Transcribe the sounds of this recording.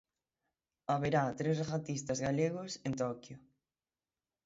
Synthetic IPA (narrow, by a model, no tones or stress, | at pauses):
aβeɾat̪ɾezɣat̪ist̪ɐzɣaleɣʊsent̪ɔkjʊ